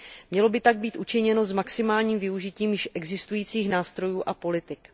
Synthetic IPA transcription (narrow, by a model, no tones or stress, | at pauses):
mɲɛlo̞bɪt̪aɡ̚biːt̪ʔut͡ʃɪɲɛno̞zmaksɪmaːlɲiːmvɪuʒɪciːmjɪʃʔɛɡzɪst̪ujiːt͡siːxnaːst̪ɾo̞juːʔapo̞lɪt̪ɪk